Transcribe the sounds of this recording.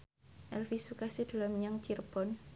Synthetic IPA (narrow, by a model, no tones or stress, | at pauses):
ʔɛlfisukasid̪̥a̤lamɲaŋt͡ʃirb̥ɔn